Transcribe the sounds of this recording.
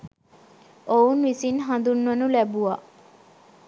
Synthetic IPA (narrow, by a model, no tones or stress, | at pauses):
ounʋisinɦand̪unʋɐnulæbua